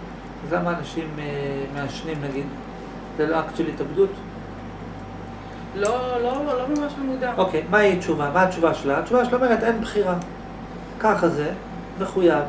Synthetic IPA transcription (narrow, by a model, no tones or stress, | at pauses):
azlamaːnaʃimeːeaʃnimnaɡid̪ | zeloakʃelitabd̪ut̪ | lololomamaʃlamud̪aʔo̞kejmait͡ʃuvamaːt͡ʃuvaʃelat͡ʃuvaʃelomeʁet̪e̞nbχiʁa | kaχaze̞ | meχujav